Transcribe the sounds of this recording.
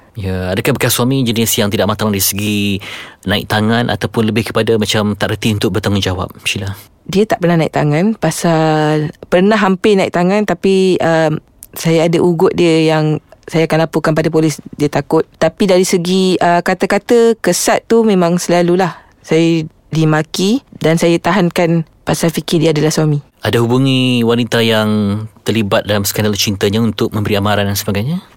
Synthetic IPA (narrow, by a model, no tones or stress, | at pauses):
jaadakabəkasuamĩd͡ʒənisjaŋt̪idaʔmat̪aŋdaɾisəɡi | nãɪ̰k̚t̪aŋãnʔa̰t̪awpʊnləbɪhkə̥padamat͡ʃamt̪aʔɾət̪iunt̪ʊk̚bərt̪aŋʊnd͡ʒawa̰p̚ʃila | diət̪aʔpərnaɦnãɪ̰k̚t̪aŋãnpasalpərnaɦːampɪnaḭk̚t̪aŋãnt̪apiəm | sajaadaʔuɡʊʔ̪̚diəjaŋsajaːkanlapukanp̬adap̬olɪsdiət̪akʊt̪̚t̪apidaɾisəɡiəkat̪əkat̪əkəsat̪ːumẽmãŋsəlalulah | saja | dimakidansajat̪aɦankan | pasafikɪdiadalahswamĩ | ʔadaɦubuŋĩwanit̪ajaŋt̪ərlibat̪̚dalamsə̥kandalt͡ʃint̪əɲaunt̪ʊk̚mə̃mbəɾiamaɾandansəbaɡajɲa